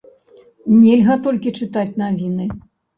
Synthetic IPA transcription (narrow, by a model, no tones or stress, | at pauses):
nʲɛlʲɣɐt̪ɔlʲkʲit͡ʂɨt̪at͡sʲnavʲinɨ